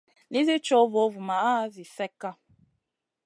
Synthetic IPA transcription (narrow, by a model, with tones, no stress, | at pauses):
ni˦zi˦t͡ʃo˦vo˨˦vu˨ma˨a˦vi˨fɛ˦kːa˦